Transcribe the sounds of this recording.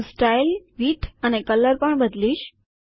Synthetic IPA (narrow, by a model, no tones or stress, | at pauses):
sʈajlʋiːʈʰanekələɾpəɳbəd̪liːɕ